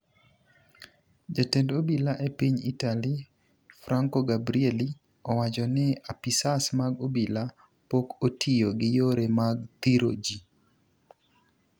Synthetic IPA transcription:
d͡ʒatendobilaʔepiɲḭtali | fɾaŋkoɡabɾieli | ɔwat͡ʃɔnɪapisasmaɡobila | pokotʰijoɡɪjoɾemaɡt̪iɾo̰d͡ʒi

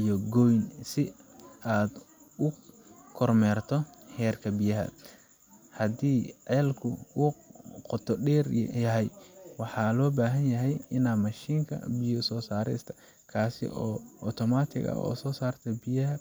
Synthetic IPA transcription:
ijɔɡɔjnsɪaːd̪ | ʊ | kʰɔrmɛːrt̪ʰɔhɛːrkʰɐbɪjɐɦɐ̰ | hɐd̪iːʕɛːlkʰʊʊqɔt̪ʰɔɖɛːrjɐɦɛjwɑħɑːlɔːbaːɦɐnjɐɦɛjɪnaːmɐʃiːŋkʰɐ̰bɪjɔsɔːsaːɾɛ̰st̪ʰɐ̥ | kʰaːsɪ̰ʔɔːʔɔt̪ʰɔmaːt̪ʰɪ̰ɣɐ̰ɔ̰ːsɔːsaːrt̪ʰɐbɪjɐɦɐ

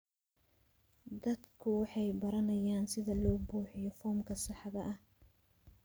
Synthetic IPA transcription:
d̪ɐd̪kʰʊwɑħɑjbɐɾɐnɐjaːnsɪðɐlɔːbuːħɪjɔfɔːmkʰɐsɑħɑðɐʔɐh

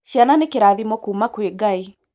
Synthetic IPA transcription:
ʃjananekeɾaðimɔkumakweɡai

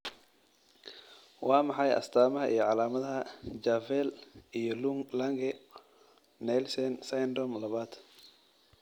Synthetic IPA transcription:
wʔɑːmɑħɑjɐ̰st̪ʰaːmɐɦɐʔḭjɞʕɑlaːmɐðɐɦɐd͡ʒaːvɛlijɔluŋlɐŋɡɛ | nɛlsɛnsɐjnd̪ɾɔmlɐβaːd̪̥

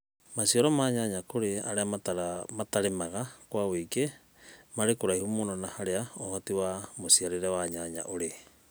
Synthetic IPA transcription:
masioɾɔmaɲaɲakoɾea̰ɾeamatmataɾemaɣakwaweike | maɾekoɾaihumononahaɾeaohatiwamosiaɾeɾewaɲaɲa̰ʔoɾe

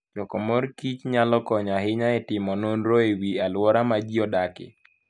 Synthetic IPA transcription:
d͡ʒɔkɔmɔɾkit͡ʃɲalɔkɔɲaɦɪɲaɛtɪmɔnonɾoewialwɔɾamad͡ʒiɔdakɪ̰

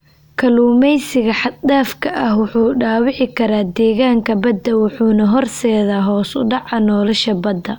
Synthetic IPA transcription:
kʰɐluːmɛjsɪɣɐħɑd̪d̪aːfkʰɐʔɐhwʊħuːɖaːwɪʕɪkʰɐɾaːd̪ɛːɣaːŋkʰɐbɐd̪ːɐwʊħuːnɐɦɔrsɛːðaːɦɔːsʊɖɑʕɑnɔːlɐʃɐbɐd̪ːɐ

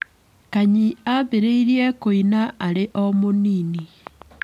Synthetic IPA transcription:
kaɲiaβeɾeiɾiɛkoinaaɾeʔɔmoniːni

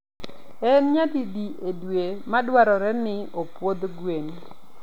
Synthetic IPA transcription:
ɛnɲatidiʔedwemadwaɾɔɾɛnɪopwod̪ɡwen

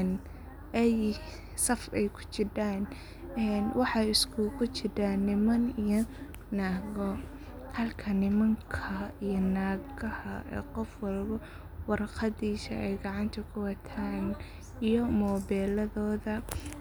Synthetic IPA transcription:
n | ʔɛj | sɐfɛjkʰʊ̥t͡ʃɪɖaːn | ɛːnwɑħɑɪskʰukʰʊt͡ʃɪɾɐnɪmɐnijɔ | naːɣɔ | hɐlkʰɐnɪmɐŋkʰɐijɔnaːɡɐhɐʔɛ̰ːqɔfwɑlbɐ | wɑrqɑd̪iːsɐɛjɡɑʕɑnt̪ʰɐkʰʊwɑt̪ʰaːn | ijɔmɔːbɛːlɐðɔːðɐ

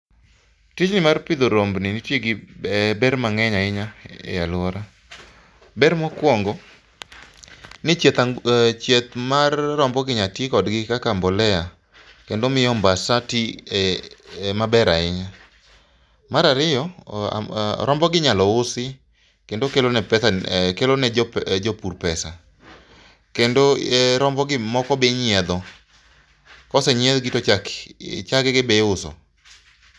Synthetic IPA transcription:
tit͡ʃnɪmarpɪd̪oɾombnɪnitjeɡɪbɛɾmaŋɛɲaɪɲaḛalwɔɾa | bɛɾmɔkwɔŋɡɔ | nɪt͡ʃjet̪at͡ʃet̪̚marːɔmbɔɡɪɲatikɔdɡɪkakambɔlɛa | kendomɪjɔmbasati | mabɛɾaɪɲa | maɾaɾɪjɔ̰ | ɾɔmbɔɡɪɲalɔʊsɪ | kendokelonɛpɛsakelonɛd͡ʒopuɾpɛsa | kendoɾɔmbɔɡɪmɔkɔbeɲɪɛd̪ɔ | kɔsɛɲɛd̪ɡitot͡ʃakt͡ʃaɡɛɡɪbeʊsɔ̰

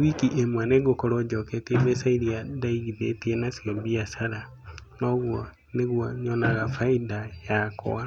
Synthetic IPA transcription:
wikiʔemwaneɡokɔɾɔd͡ʒɔketemesaiɾiadaiɣiðetienasjɔmbiasaɾa | nɔɣwɔ | neɣwɔɲɔnaɣafaidajakɔ̰a

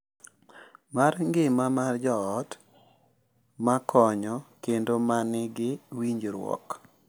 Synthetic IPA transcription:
marŋɡɪmamard͡ʒɔːt | makʰɔɲɔkendomanɪɡɪwiɲd͡ʒɾwɔ̰k

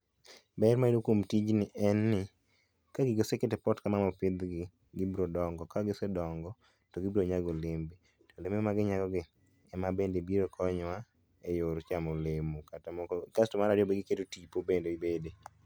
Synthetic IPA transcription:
bɛɾmaidokomtid͡ʒnɪʔɛnːɪ | kaɡɪɡoseketepɔtkamamɔpɪd̪ɡɪ | ɡɪbɾodɔŋɡɔkaɡɪsedɔŋɡɔ | toɡɪbɾoɲaɡolɪmbi | tolememaɡɪɲaɡɔɡɪ | ɛmabendebiɾokʰɔɲwa | ejoɾt͡ʃamolemokatkastomaɾadɪobeɡɪkedotipobendeibede

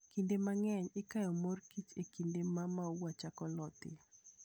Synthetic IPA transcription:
kindemaŋɛɲɪkajɔmorkit͡ʃekindemamawat͡ʃakɔlɔt̪ɪ̰

